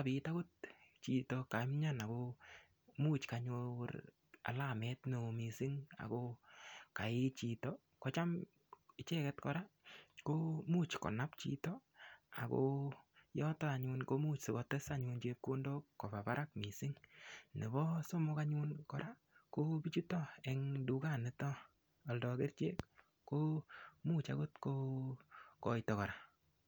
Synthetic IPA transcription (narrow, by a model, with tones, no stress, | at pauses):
abi˨ta˦kʊ˦t̚t͡ʃi˨to˨ka˨mɲa˦na˨ko˧ | mu˦t͡ʃkaɲor | a̰˨la˦mɛtno˨misɪ˦ŋa̰˨ko˦ka˨ɪ˦t͡ʃi˨tɔ | kɔt͡ʃa˦m | ɪ˦t͡ʃɛ˦kɛ˦tkɔ˨ɾa˦ko˦muː˦t͡ʃkɔ̰˨na˦pt͡ʃḭ˨tɔ˦a̰˨ko̰ | jɔ˦tɔ˦a˨ɲʊ˧nko˦mu˦t͡ʃsɪ˨kɔ˨te˦sa˦ɲu˧nt͡ʃe˦kːo˦ndo˦ko˨ba˨pa˦ɾa˦kmi˨sɪ˦ŋne˨bɔ˦so˦mʊ˦ka˦ɲu˦nkɔ˨ɾa˦ | ko˦bit͡ʃu˦tɔ˦e˨ŋdu˦ka˦˨ne˦tɔː˦˨ | ldɔ˨ke˦rt͡ʃḛ˦kː | o˦mu˦t͡ʃa̰˦ɡo˦tko˦ | kɔ˨jtɔ˨kɔ˨ɾa˨